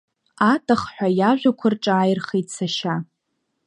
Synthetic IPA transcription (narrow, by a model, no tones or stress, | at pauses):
atʰʼaχħʷᶣajaʒᶣʷakʷʰʊrʈ͡ʂʼaːjrχejtt͡sʰaʃa